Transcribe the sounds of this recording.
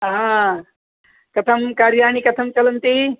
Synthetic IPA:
ɦã | kɐt̪ʰɐmkaːɾjaːɳ̃ikɐt̪ʰɐmt͡ʃɐlɐnt̪i

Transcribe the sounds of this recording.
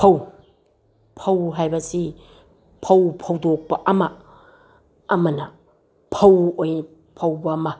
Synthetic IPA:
pʰɐw | pʰɐwɦajbɐsi | pʰɐwpʰɐwdok̚pɐʔɐmɐ | mɐnɐ | pʰɐwoj | pʰɐwbɐmɐ

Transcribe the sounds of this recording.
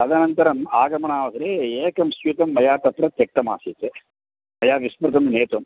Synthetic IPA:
ɐd̪ɐnɐnt̪ɐɾɐmaːɡɐmɐɳaːʋɐsɐɾeeːkɐmsʋit̪ɐmːɐjaːɾt̪ɐt̪ɾɐt̪jɐk̚ʈ̪ɐma̰ːsiːt̪e | mɐjaːɾʋispɐɾk̪ɐmneːt̪ɐm

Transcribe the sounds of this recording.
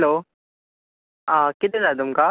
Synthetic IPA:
lo | akit̪ed͡zat̪̬umka

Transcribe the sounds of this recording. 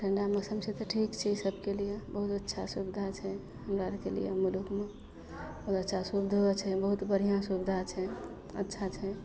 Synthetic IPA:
ʈʰəɳɖamesəmset̪ɔʈʰikt͡ʃʰɛisəbʱkelijebəɦut̪ətːʃʰasubd̪ʱat͡ʃʰɛ | ɦəmɾaɾkelḭjḛmulukme | bəɦut̪ətːʃʰasubd̪ʱot͡ʃʰɛbəɦut̪bəɽ̤ijãsubd̪ʱat͡ʃʰɛ | ə̰tːʃʰat͡ʃʰɛ

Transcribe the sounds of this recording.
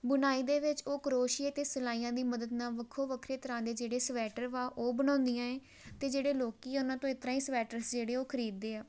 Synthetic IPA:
bʊnaːiːd̪eːʋɪt͡ʃoːkəɾoːʃiet̪eːsəlaːiːãːd̪iːməd̪əd̪naːʋəkʰoːʋəkʰɾeːt̪əɾãːd̪eːd͡ʒeːɽeːsəʋɛːʈəɾʋaːʔoːbənãːnd̪ijãːẽː | t̪eːd͡ʒeːɽeːloːkiːʊnãːt̪õːɪt̪ɾãːiːsʋɛːʈəɾsd͡ʒeːɽeːoːkʰəɾiːd̪ːeːaː

